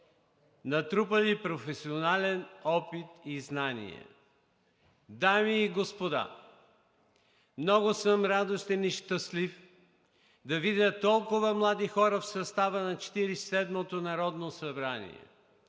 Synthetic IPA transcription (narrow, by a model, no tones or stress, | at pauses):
nɐt̪ɾupəlipɾofɛsionalɛnɔpit̪iznanḭɛ̰ | d̪amiːɡospod̪a̰ | mnɔɡosəmɾad̪ost̪ɛniʃt̪əslif | d̪ɐvid̪ʲət̪ːɔlˠkʊvəmlˠad̪ixɔɾəfsɐst̪avənɐt͡ʃɛ̥t̪iɾisɛd̪mot̪onɐɾɔd̪nosɐbɾanḭɛ̰